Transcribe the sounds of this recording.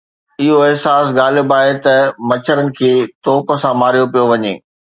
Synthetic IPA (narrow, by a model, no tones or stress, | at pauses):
ɪɦoɪɦsaːsɡaːlbaːɦet̪ɐmɐt͡ɕʰəɾənɪ̆kʰeːt̪ɔːpə̆sãmaːɾijopijoʋɐɲḛː